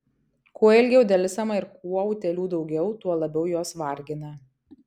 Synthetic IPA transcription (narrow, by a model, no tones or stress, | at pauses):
kuɔɪlʲɡʲɛʊd̪ʲɛlʲɪsɐmɐɪɾkuɔuːt̪ʲɛlʲuːd̪ɒʊɡʲɛʊt̪uɔlˠɐbʲɛʊjoːsʋɐɾʲɡʲɪnɐ